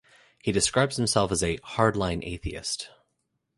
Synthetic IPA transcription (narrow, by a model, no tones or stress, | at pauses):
hidɨskɹaɪbz̥hɨ̃m̩sɛlˠfəzɨhɑɹdˡlãɪ̃nʔḛɪθiɨ̰st